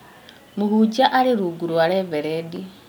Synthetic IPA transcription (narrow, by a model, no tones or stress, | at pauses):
muhud͡ʒaʔaliɾuɡuɾuwaleβeɾedi